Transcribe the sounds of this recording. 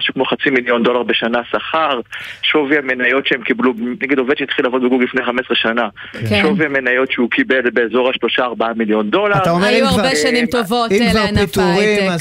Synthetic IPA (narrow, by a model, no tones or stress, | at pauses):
ʃukmo̞χat͡similjo̞nd̪o̞laʁbe̞ʃanasaχaʁʃoviamenajo̞tʃeemkiblubnaɡido̞vedʃejit̪χilavo̞d̪beɡuɡlifnejχame̞sʁeʃana | ʃoviame̞najo̞tʃeukibe̞lbeːzo̞ʁaʃlo̞ʃaːʁbaamiljo̞nd̪o̞laʁt̪aomjuaʁbeʃanimt̪ovotivaʁnpit̪uʁi